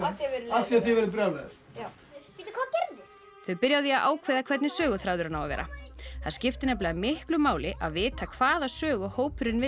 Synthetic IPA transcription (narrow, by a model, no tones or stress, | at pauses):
ɛaθiaθivɛɾðpɾalɛð | a | piːt̪ɪkʰvaðcɛɾðɪst̪ | θœɥpɪɾjawðjɛaðʔa̰ːwkʰvɛːðakʰvɛɾt̪nɪsœːɣʏθɾawðʏɾanaːwa̰vɛ̰ːɾʔa̰θaðscɪft̪ɪnɛplɪamɪhklʏmaːwlɪʔaðvɪːt̪akʰv̥aːðasœːɣʏhoːwpʏɾɪnvɪ